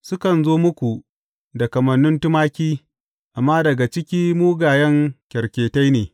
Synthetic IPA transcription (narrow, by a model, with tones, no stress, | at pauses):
sʊ˦kɐ˨nzoː˦mʊ˦kʷu˨ | dɐ˨kɐ˨mɐ˨nːʊ˦ntʊ˦maː˦kʲiː˦ | ʔa˨mːaː˦dɐ˨ɡa˨t͡ʃɪ˦kʲiː˦muː˦ɡaː˨jɐ˦ŋkʲɐ˨ɾkʲeː˨ta˦jneː˨